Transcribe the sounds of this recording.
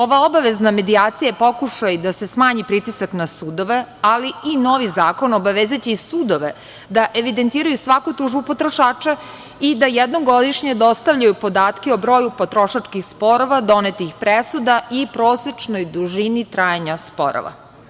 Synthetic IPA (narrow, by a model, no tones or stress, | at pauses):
o̞ʋao̞baʋezname̞d̪iaːt̪sijapo̞kuʃajd̪ase̞smaːɲipɾit̪isaknasuːd̪o̞ʋe̞aliːno̞ʋizaːko̞nobaʋezet͡ɕesuːd̪o̞ʋe | d̪aʔeʋid̪ent̪iːɾajusʋakut̪uːʒbupo̞t̪ɾo̞ʃaːt͡ʃa | id̪ajed̪no̞ɡo̞d̪iʃɲed̪ost̪avʎajupo̞d̪aːt̪keobɾo̞ːjupot̪ɾoʃat͡ʂkixspo̞ɾo̞ʋad̪o̞net̪ixpɾesud̪aipɾoːset͡ʃnojd̪uʒinit̪ɾajaɲaspo̰ɾo̰ʋa̰